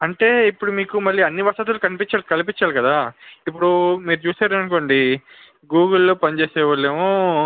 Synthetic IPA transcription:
ɐɳʈe̞ːipːuɽumiːkumɐɭːiːɐnːiʋɐsɐt̪̬ulukɐnipit͡ʃːaːlkɐlipit͡ʃːaːlukɐd̪aːip̬ːuɽumiːɾut͡ʃuːsaːɾɐnkoːɳɖi | ɡuːɡɐlːoːpɐnit͡ʃeːsɛːʋɐɭːeːmu

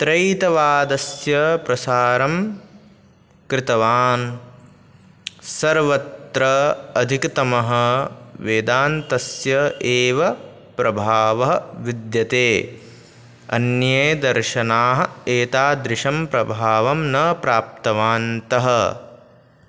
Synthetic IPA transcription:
t̪ɾɐjt̪ɐʋaːd̪ɐsjɐpɾɐsaːɾɐm | kɾɪt̪ɐʋaːn | sɐɾʋɐt̪ɾɐɐd̪ʱikt̪ɐmɐɦɐ̆ʋeːd̪aːnt̪ɐsjɐʔeːʋɐ | pɾɐbʱaːʋɐɦɐʋid̪jɐt̪eː | ɐ̰njeːd̪ɐɾʃɐnaːɦɐ̆eːt̪aːd̪ɾɪʃɐmpɾɐbʱaːʋɐmnɐpɾaːp̚t̪ɐʋaːnt̪ɐɦɐ̆

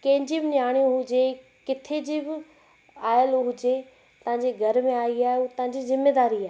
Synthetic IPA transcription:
kɐ̃ɦɪ̃ɲd͡ʑibɪnjaːɽ̃ijõɦʊd͡ʑe | kɪt̪ʰed͡ʑiːbɪ | aːjəlɦʊd͡ʑe | t̪ɐʋãɲd͡ʑeɡʱɐɾmẽaːiaːɦeut̪ɐʋãɲd͡ʑizɪmːeːd̪aːɾiaːɦe

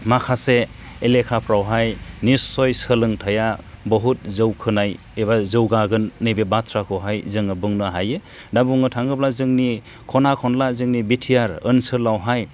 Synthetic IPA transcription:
makʰase | elekʰapʰɾawɦajnisːɔjsɯlɯŋtʰajabɔɦut̚zɯwkʰɯnaj | eβazɯwɡaɡɯnːɯbebatʰɾakʰɯwɦajzɯŋɯbɯŋnɯɦajɯ | dabuŋɯtʰaŋɡɯplazɯŋni | kʰɔnakʰɔnlazɯŋnibitʰijaɾɯnsɯlawɦaj

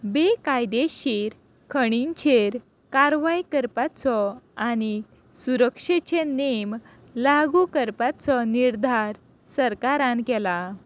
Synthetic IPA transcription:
bekajd̪eɕeɾ | kʰəɽ̃int͡ɕʰeɾ | kaɾʋaikəɾpat͡sɔani | suɾəkʂet͡ɕenem | laɡukəɾpat͡sɔniɾd̪ʱaɾ | səɾkaɾãnkɛla

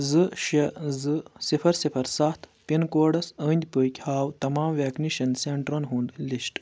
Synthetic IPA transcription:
zɨʃɐzɨsifʰɐɾsifʰɐɾsaːt̪pinkoːɖɐsəːnʲd̪ʲpəkʲhaːwt̪ɐmaːmʋeːkniʃɐnseɳʈɾɐnɦund̪liʃʈ

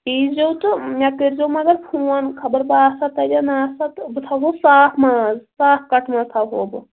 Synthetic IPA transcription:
iːd͡ʒowt̪ɨmʲakiɾd͡ʒowmɐɡɐɾpʰuːankʰɐbɐɾbaːsat̪ɐd͡ʒanaːsat̪bɨt̪ʰaɦosaːpʰmaːzsaːpʰkɐʈʰmazt̪ʰaɦoːb

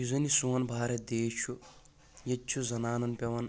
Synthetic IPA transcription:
juzɐnisuʋɐnbʱaːɾɐd̪eːʃu | jɐt͡ʃːt͡ʃʰːuzɐnaːnɐnpʲɐʋɐn

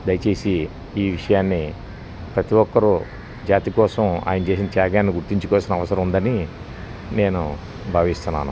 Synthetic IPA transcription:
d̪ɐjɐt͡ʃe̞ːsiː | ʋiʂɐjaːnːi | pɾɐt̪iwɔkːɐɾu | d͡ʒaːt̪ikɔːsɐma̰ːjɐnɐt͡ʃeːs̬inɐt͡ʃaːɡaːnːiɡuɾt̪iɲt͡ʃukɔːsinɐɐʋɐsɐɾɐmund̪ɐni | ne̞ːnu | bʱaːʋist̪unːaːnu

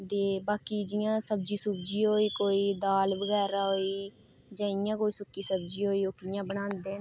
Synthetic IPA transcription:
d̪eːbaːkiːd͡ʒɪjãːsəbd͡ʒiːsʊbd͡ʒiːɦoːiːkoːiːd̪aːlbəɡɛːɾaːɦoːiː | d͡ʒãːɪjãːkoːiːsʊkːiːsəbd͡ʒiːɦoːiːokɪjãːbənãːnd̪eː

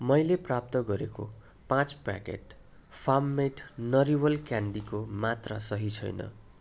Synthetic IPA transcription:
mʌjleprap̚t̪ʌɡʌɾeko̰ | pãt͡spa̰kḛʈ | pʰamːeʈnʌɾiwʌlkjaɳɖikomat̪ra̰sʌɦit͡sʰʌ̰jnʌ̰

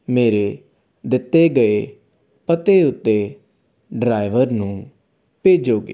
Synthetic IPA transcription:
meːɾe | d̪ɪt̪ːeɡəe | pət̪eʊt̪ːe | ɖɾaːɪʋəɾnũː | peːd͡ʒoːɡḛː

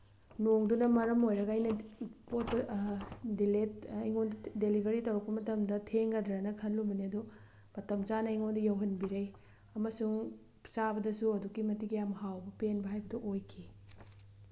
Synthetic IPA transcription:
noŋdunɐmɐɾɐmojɾɐɡɐːjnɐpot̚pɐ | diletɐjŋondɐdelibʱɐɾitɐwɾɐk̚pɐmɐtɐmdɐtʰeŋɡɐdɾanɐkʰɐnlumbɐniɐdu | mɐtɐmt͡ʃanɐiŋondɐjɐwɦɐnbiɾɐj | ɐmɐsuŋ | sabɐdɐsuɐdukːimɐtiɡijamhawbɐpenbɐɦajbɐdɐʔojkʰi

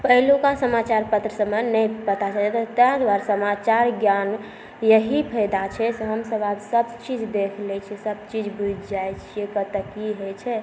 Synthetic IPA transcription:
pəɦlukasəmat͡ʃaɾpət̪ɾəsəmənɛjpət̪at͡ʃad͡ʒet̪ɔt̪əãd̪waɾsəmat͡ʃaɾɡjan | jəɦipʰəjd̪at͡ʃʰɛsɦəmsəbadsəb̚t͡ʃid͡ʒd̪ekʰlɛt͡ʃʰɛsəb̚t͡ʃid͡ʒbud͡ʒd͡ʒajt͡ʃʰiekət̪əkiɦet͡ʃʰɛ

